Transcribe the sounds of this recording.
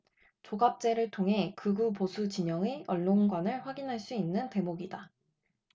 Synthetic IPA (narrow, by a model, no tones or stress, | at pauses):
t͡ɕoɡap̚t͡ɕ͈e̞ɾɯɭtʰoŋɦe̞kɯɡuposʰut͡ɕiɲʌŋeʌɭːonɡwanɯɭɸwaɡinɦaɭs͈uinːɯnte̞moɡida